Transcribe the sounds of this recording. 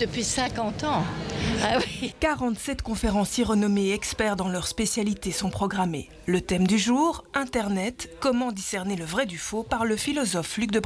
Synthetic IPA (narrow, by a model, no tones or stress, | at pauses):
d̪əpɥisɛ̃kɑ̃t̪ɑ̃awikaʁɑ̃t̪sɛt̪kɔ̃feʁɑ̃sjiʁənɔmeɛkspɛʁd̪ɑ̃lœʁspesjalit̪esɔ̃pχɔɡʁamḛ | lət̪ɛmd̪yʒuːʁɛ̃t̪ɛʁnɛt̪kɔmɑ̃d̪isɛʁneləvʁɛd̪yfopaʁləfilɔzɔflyk̚d̪əb